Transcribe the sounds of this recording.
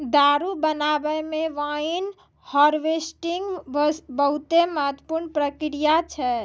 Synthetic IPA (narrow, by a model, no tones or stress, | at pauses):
d̪aɾubənabɛmeʋain | hɔɾʋesʈiŋɡbbəɦut̪eməɦət̪ːə̥puɾnpɾəkɾijat͡ʃʰɛ